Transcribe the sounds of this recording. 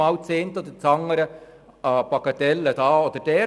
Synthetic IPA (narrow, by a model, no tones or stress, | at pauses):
ɑwt͡seːnt̪od̪ət͡sɑŋːəɾə | pɑkɑt̪ɛlːəd̥̪ɑːod̪əɾd̥ɛː